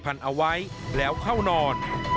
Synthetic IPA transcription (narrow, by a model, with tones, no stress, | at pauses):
pʰa˧˩nʔa˧wa˦˥j | lɛː˦˥wkʰa˥˩wnɔː˧n